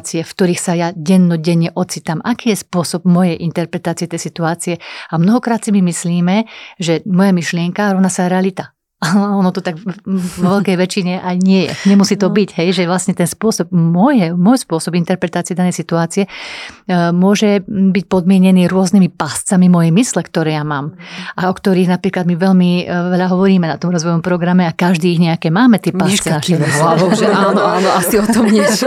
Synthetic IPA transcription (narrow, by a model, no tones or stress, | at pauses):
t͡siɛfkt̪ɔɾiːxsajaɟɛnːɔɟɛɲːɛʔɔt͡sit̪amʔakiːjɛspʊɔsɔb̚mɔjɛjʔint̪ɛɾpɾɛt̪aːt͡siɛt̪ɛjsit̪uaːt͡siɛamnɔɦɔkɾaːt̪simimisliːmɛʒɛmɔjamiʃlɪɛŋkaɾɔʋnasaɾɛalit̪a | aɔnɔt̪ɔt̪aɡɔʋɛlkɛjʋɛt͡ʃiɲɛʔajɲɪɛjɛ̰ɲɛmusiːt̪ɔbiɟɦɛjʒɛʋlasɲɛt̪ɛnspʊɔsɔb̚mɔjɛmɔjspʊɔsɔbint̪ɛɾpɾɛt̪aːt͡siɛd̪anɛjsit̪uaːt͡siɛ | mʊɔʒɛbic̚pɔd̪mɪɛɲɛniːɾʊɔznimipast͡samimɔjɛjmislɛkt̪ɔɾɛːjamaːmʔaɔkt̪ɔɾiːɣnapɾiːklad̪miʋɛʎmiʋɛʎaɦɔʋɔɾiːmɛnat̪ɔmɾɔzʋɔjɔmpɾɔɡɾamɛakaʒd̪iːɣɲɛakɛːmaːmɛt̪ɪɛpaʃt͡sɛnaʃɦlaʋɔʊʒɛaaːnɔaːnɔasiɔt̪ɔmɲɪɛt͡ʃ